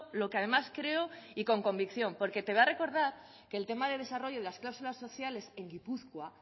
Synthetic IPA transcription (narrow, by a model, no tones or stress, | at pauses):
lo̞keað̞e̞maskɾe̞o̞iko̞ŋko̞mbikθjo̞mpo̞ɾke̞t̪e̞βare̞ko̞ɾðaɾ | ke̞ːlt̪e̞maðe̞ð̞e̞saro̞ʝo̞ð̞e̞lasklawsulasːo̞θjale̞se̞ŋɡipuθkwa